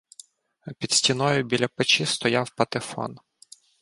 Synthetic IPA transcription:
pʲid̪sʲtʲinɔjʊbʲilʲɐpet͡ʃist̪ɔjawpɐt̪ɪfɔ̰n

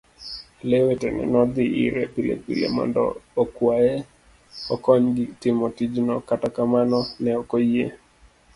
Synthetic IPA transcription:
lewetɛnɛ̰nɔd̪ɪḭɾɛpilḛpḭlḛmɔ̰ndɔ̰ːkwaje | ɔkɔɲɡɪtɪmotid͡ʒnɔkatakamanɔnɛɔkojḛ

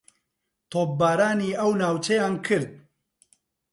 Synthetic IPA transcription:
t̪ʰoːp̚baːɾaːniːɐwnaːwt͡ʃʰejaːnkʰɨɾd̪̚

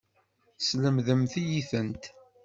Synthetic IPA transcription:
sləmðəmθijiθənt̪

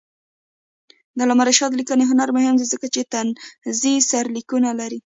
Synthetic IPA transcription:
d̪əlamaɾaʃɑd̪əlikəneɦʊnaɾmʊhɪmd̪izəkat͡ʃet̪anzisaɾlikunalaɾi

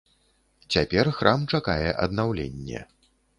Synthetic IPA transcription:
t͡sʲapʲɛrxɾʔamt͡ʂakajɛʔɐ̰d̪nawlʲenʲːɛ̰

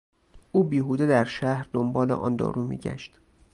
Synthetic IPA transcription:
ʔuːbiːɦuːd̪ed̪æɾʃæhɾd̪ombɒːlḛʔɒ̰ːnd̪ɒ̰ːɾuːmḭːɟæ̰ʃt̪

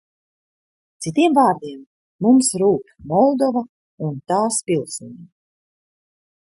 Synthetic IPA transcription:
t̪sit̪iɛmvaːɾd̪iɛmː | umsɾuːp | mɔlˠd̪ɔva | unt̪aːspʲilˠsuɲi

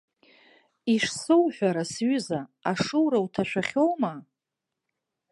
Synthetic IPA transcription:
iʂsɨwħʷᶣaɾasɥʏzaaʂɨwɾawtʰaʃʷᶣaχʲowma

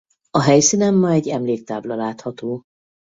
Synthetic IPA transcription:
ɒɦɛjsinɛmːɒɛɟːɛmleːk̚t̪aːblɒlaːt̪hɒt̪oː

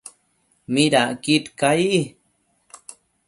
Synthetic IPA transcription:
miɾaʔkit̪kaiʔ

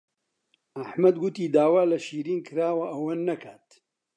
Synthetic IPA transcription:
ɐħmɐd̪ɡʊt̪iːd̪aːwaːlɐʃiːɾiːnkʰɨɾaːwɐʔɐwɐnːɐkʰaːt̪

